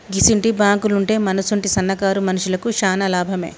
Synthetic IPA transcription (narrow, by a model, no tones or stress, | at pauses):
ɡisiɳʈibaːŋkuluɳʈe̞ːmɐnɐsuɳʈisɐnːɐkaːɾumɐnuʂulɐkuʃaːnɐlaːbʱɐme̞̰ː